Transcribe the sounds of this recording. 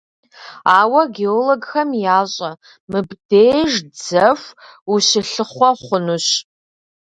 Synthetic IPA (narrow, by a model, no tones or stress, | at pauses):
aːwɐɡeoloɡxɐmjaːɕʼɐ | mɨbdejʒd͡zɐfuɕɪɬɨχʷɔχʷʊnuɕ